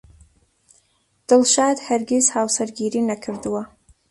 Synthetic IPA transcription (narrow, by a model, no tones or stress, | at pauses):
d̪̥ɨlʃaːd̪haɾɡʲezhaːwsɐɾɡʲiːɾinɐkʰɨɾd̪wɐ